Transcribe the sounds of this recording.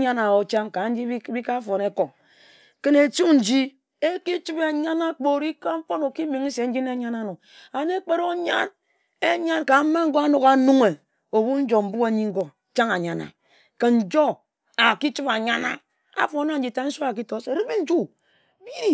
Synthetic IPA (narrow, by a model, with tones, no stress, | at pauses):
ɲa˦na˨o˨t͡ʃa˦ŋka˨n̩˦d͡ʒi˦bi˦ka˦fo˨ne˦ko˨ | ke˦ne˨tu˦n̩˨d͡ʒi˦ | e˦ki˦t͡ʃi˦be˨ɲa˦na˦k͡po˨ɾi˦ka˦m̩˦fo˦no˨ki˦mi˨ŋi˦se˨n̩˦d͡ʒi˦ne˦ɲa˦na˦no˨ | a˨ne˦k͡pe˦ɾo˦ɲa̰˦n | e˦ɲa˦nka˨˦ma˦ŋ̩˦ɡo˦a˦no˨ka˨nu˦ŋe˨ | o˨bu˦n̩˦d͡ʒo˨m̩˦bu˦a˨ɲi˦ŋ̩˦ɡo˨t͡ʃa˦ŋa˨ɲa˨na̰˨ | ke˨n̩˦d͡ʒo˦ | a˨ki˦t͡ʃi˦ba˨ɲa˦na̰˨ | a̰˨fo˨na˦n̩˦d͡ʒi˨ta˦n̩˦so˦a˨k̬i˦to˦se˨ɾi˦mi˦n̩˦d͡ʒu˦ | bi˦ɾi˦